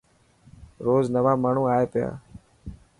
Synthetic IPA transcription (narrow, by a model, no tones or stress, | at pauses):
ɾoːznəʋaːmaːɳ̤uːaːeːpɪja̰ː